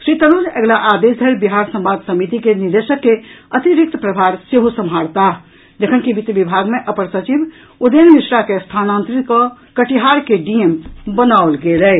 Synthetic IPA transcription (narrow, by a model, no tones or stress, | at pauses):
sɾit̪ənud͡ʒɛɡlaʔad̪esd̪ʱəlbiɦaɾsə̃mbad̪səmit̪ikeniɾd̪esəkːeət̪iɾik̚t̪əpɾəbʱaɾseɦosəmʱɦaɽt̪aɦ | d͡ʒəkʰənkibit̪ibibʱaɡmeʔəpəɾsət͡ʃib | ud̪enmisɾakest̪ʰanant̪ɾitkə | kəʈiɦaɾkeɖiembənaolɡelɛ